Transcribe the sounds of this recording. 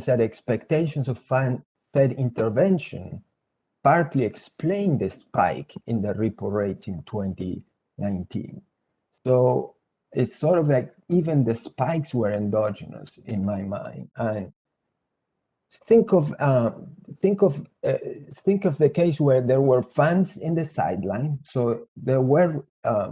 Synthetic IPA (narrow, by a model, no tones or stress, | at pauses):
zðæɾɛkspɛkt̪eɪʃɔ̃nsɔvfan | θɛdĩnt̪əɹvɛ̃nʃɔ̰̃n | paɹt̪liɛksplẽɪ̃nd̪əspa̰ɪkɪ̃nd̪əɹipoɹeɪtsĩnt̪ʰwɛ̃nt̪ḭ | nãɪ̃ntʰḭ̃n | so | ɪtsɔɹɾɔvlaɪk | ivə̃nd̪əspaɪkswəɹɪ̃ndɔd͡ʒɨnə̰sɪ̰̃nmajmã̰ɪ̃ndə̃n | θɪ̃ŋkɔvʌθɪ̃ŋkɔv | θɪ̃ŋkɔvðəkeɪswɛɹðɛɹwəɹfãnzɪ̃nðəsa̰jd̪lãɪ̃nsoʊðɛɹwəɹ